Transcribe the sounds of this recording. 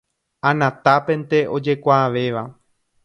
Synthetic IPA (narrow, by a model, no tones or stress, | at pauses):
ãnãt̪apẽ̞nt̪e̞o̞d͡ʒe̞kʷaːʋe̞ʋa